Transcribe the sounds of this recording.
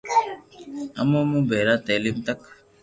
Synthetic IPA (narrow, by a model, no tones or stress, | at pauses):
ɐmomũbeɾat̪aːlimt̪ɐk